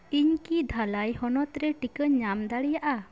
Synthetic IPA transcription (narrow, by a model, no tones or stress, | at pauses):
iɲkid̪ʱalajhɔnɔt̪ɾɛʈikəɲamd̪aɽijaʔa